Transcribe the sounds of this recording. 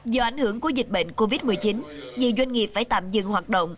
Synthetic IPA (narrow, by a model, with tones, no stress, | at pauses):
zɔ˧ʔa˧˩jŋhɨ˧˩əŋku˧˩əzï˨˩k̟̚ɓḛ˧˨ŋ̟ko˧vi˦˥t̚mɨ˨˩əjt͡ɕi˨˦nɲɨ˨˩zwa˧jŋ̟ŋi˨˩əp̚faː˧˩jt̪aː˧˨mzɨ̰˧˨ŋhwaː˨˩t̚ɗə̰˧˨wŋ͡m